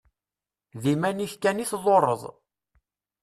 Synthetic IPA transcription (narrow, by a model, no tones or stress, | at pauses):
ðimæniçkæniθðˤoɾˤə̰ðˤ